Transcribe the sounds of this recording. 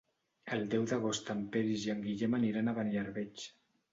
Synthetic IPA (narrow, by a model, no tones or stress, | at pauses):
əlˠd̪ɛwðəɣ̞ost̪ampeɾizjaŋɡiʎemaniɾanaβanjaɾβet͡ʃ